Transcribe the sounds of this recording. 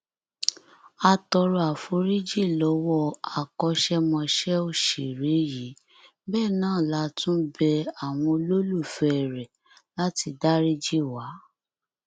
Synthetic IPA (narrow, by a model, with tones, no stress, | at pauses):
a˧tɔ˧ɾɔ˧a˨fo˧ɾi˦d͡ʒi˦˨lɔ˨˦wɔ˦˨a˨kɔ˧ʃɛ˦mɔ̃˧ʃɛ˦o˦˨ʃe˨ɾe˨˦ji˨˦ | bɛː˦˨nãː˦˨la˨˦tũ˦bɛ˧a˨w̃ɔ̃˧o˧lo˦lu˦˨fɛ˧ɛ˨ɾɛ˨ | la˦ti˧da˦ɾi˦d͡ʒi˦˨wa˨˦